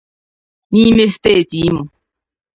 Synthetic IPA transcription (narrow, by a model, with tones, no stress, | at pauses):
mi˦me˦ste˦˨ti˨˦mu˨